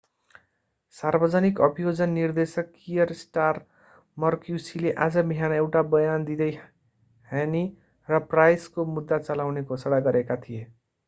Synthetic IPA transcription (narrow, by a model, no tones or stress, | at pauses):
sarbʌd͡zʌnikʌbijod͡zʌnːird̪esʌkːijʌɾsʈar | mʌrkjusileʔad͡zʌbiɦanaewʈabʌjand̪id̪ʌj | heni | rʌprajskomud̪ːat͡sʌlawnekosʌɽajɡʌɾekat̪ʰije